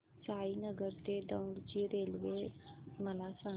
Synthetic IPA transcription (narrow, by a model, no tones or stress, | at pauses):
t͡ʃaːinəɡəɾt̪ed̪ə̃ɖd͡ʑiɾeːlʋeməlasã